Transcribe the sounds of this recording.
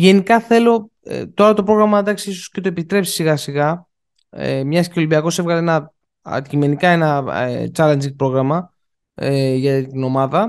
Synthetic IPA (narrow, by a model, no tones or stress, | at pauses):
ʝe̞nikɐθe̞lo̞̰ | t̪o̞ɾɐt̪o̞pɾo̞ɣɾɐmɐd̪ɐksiiso̥scet̪o̞e̞pit̪ɾe̞psi̥siɣɐsiɣɐ̰ | mɲɐsceolibiɐko̞sevɣɐlenɐ | ɐ̰t̪icime̞nikɐe̞nɐt͡sɐlend͡ʒit̪̚pɾo̞ɣɾɐmɐ | eʝɐt̪ino̞mɐðɐ